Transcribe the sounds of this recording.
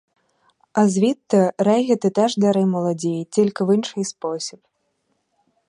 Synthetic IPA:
ɐzʲvʲit̪ːɐɾɛɣʲɛt̪ɨt̪ɛʐd̪aɾɨmɐlˠad͡zʲejt͡sʲilʲkʲiwɨnʂɨjspɔsʲip

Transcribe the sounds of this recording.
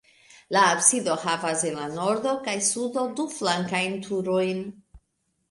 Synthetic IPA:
laːbsido̞havasenlano̞ɾdo̞kajsudo̞duflaŋkajntʰuɾo̞jn

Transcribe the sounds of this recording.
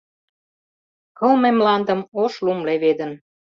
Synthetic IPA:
kɤ̆lmemlɑnd̪ə̆moʃlumleβed̪ə̆n

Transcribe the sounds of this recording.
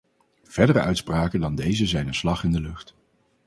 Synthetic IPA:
v̥ɛɹdərəʔœɥtspraːkədɑndejzəzɛjnənslɑχɪndəlɵχt

